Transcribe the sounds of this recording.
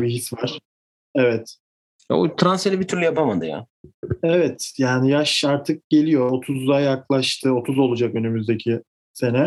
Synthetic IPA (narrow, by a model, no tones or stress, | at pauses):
biɦisvaɾ̥ | ɛvɛt̪ | ja̰ot̪ʰɾanselʲɛbit̪ʰyɾlʲyjapamad̪ɯ̰ja̰ː | ɛvɛt̪jaːnijaʃaɾt̪ʰɯk̚ɟ̥e̞lʲijo̞ot̪ʰuzd̪ajaklˠaʃt̪ʰɯo̞t̪ʰuzo̞lˠud͡ʒakø̞nymyzd̪e̞cʰi | se̞nɛ